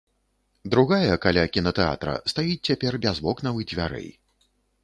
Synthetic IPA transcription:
d̪ɾuɣajɐkalʲakʲinɐt̪ɛa̰t̪ɾɐ̰st̪ajit͡sʲt͡sʲapʲɛrbʲazbɔknɐvɨd͡zʲvʲa̰ɾɛ̰j

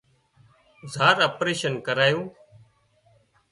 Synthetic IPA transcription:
zaːɾəpɾeːʃənkəɾaːjũː

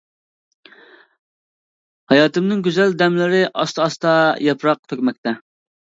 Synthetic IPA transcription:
hɑjɑːt̪ɨmnɪŋɡʲyzɛld̪ɛmlɪɾɪʔɑst̪ɑɑst̪ɑjɛpɾɑq̚t̪ʰøkʲmɛk̚ʲt̪ɛ

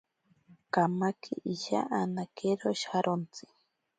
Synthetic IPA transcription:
kamakʰḭʔiʃa̰ʔanakeɾoʃaɾont͡si̥

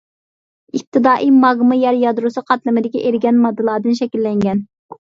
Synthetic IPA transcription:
ip̚t̪ʰɨd̪ɑːʔijmɑʁmɨjɛɾjɑd̪ɾusɨqʰɑt̪lˠɨmɪd̪ɪkʲɛʔeɾɡʲɛnmɑd̪ːɨlˠɑːd̪ɨnʃɛkʲilːɛŋɡʲɛn

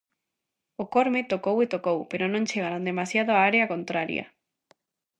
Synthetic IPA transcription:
okoɾmet̪okowet̪okowpeɾonõnt͡ʃeɣ̞aɾond̪emasjað̞oaaɾeakont̪ɾaɾj̰a̰

